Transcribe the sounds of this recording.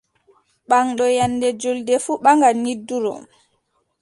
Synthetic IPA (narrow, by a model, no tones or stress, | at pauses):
ɓaŋɗɔjanːdɛd͡ʒoldɛfuɓaŋɡanidːuɾɔ̰